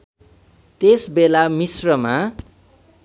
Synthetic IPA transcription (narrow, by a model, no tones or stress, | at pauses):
t̪esbelamisrʌma